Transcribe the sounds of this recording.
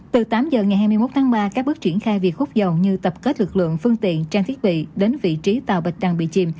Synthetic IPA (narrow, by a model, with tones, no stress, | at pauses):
t̪ɨ˨˩t̪aː˨˦mzəː˨˩ŋa˨˩jɦaː˧jmɨ˧jmo˦˥t̚t̪ʰaː˨˦ŋɓaː˧kaː˦˥k̚ɓɨ˦˥ək̚t͡ɕwi˧˩ənxaː˧jvi˨˩ək̚fʊ˦˥k͡p̚zə˨˩wɲɨ˧t̪ə˨˩p̚ke˦˥t̚lɨ˨˩k̚lɨ̰˧˨əŋfɨ˧əŋt̪ḭ˧˨ənt͡ɕaː˧ŋt̪ʰət̚ɓḭ˧˨ɗe˨˦nvḭ˧˨t͡ɕi˨˦t̪a̰ː˧˨wɓi˨˩ɗa˨˩ŋɓḭ˧˨t͡ɕi˨˩m